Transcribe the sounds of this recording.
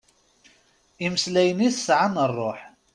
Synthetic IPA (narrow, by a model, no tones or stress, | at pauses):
iməslæjəniθəsʕanərˤːoħ